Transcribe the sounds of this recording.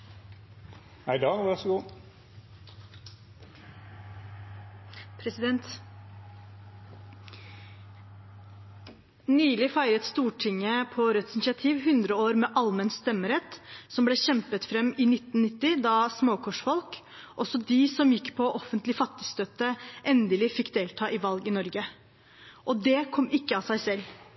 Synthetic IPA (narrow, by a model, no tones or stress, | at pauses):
hæɪd̪ɑːʋæɾʂɔɡuː | pʰɾɛsɪd̪ɛnt̪ | nyːlɪfæɪɾət̪st̪uːʈʰɪŋːəpʰɔɾœt̪sɪnɪʂɪɑt̪ʰiːʋhʉnd̪ɾəoːɾmɛʔɑlmənst̪ɛmːəɾɛt̪sɔmblɛːɕɛmpət̪fɾɛmɪnɪt̪n̩nɪt̪ːɪd̪ɑsmoːkʰɔʂfɔlk | ʔɔsɔd̪ɪsɔmjɪkːpʰɔʔɔfənt̪lɪfɑt̪ːɪst̪øt̪ːəʔɛnd̪əlɪfɪkːd̪eːlt̪ʰɑːʔɪʋɑlɡɪnɔɾɡə | ʔɔd̪ɛkʰɔmːɪkːəɑsæɪsɛlː